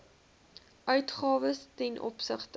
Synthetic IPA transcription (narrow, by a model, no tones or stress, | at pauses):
ʔœɥtχɑːvəstɛnʔɔ̰psəχt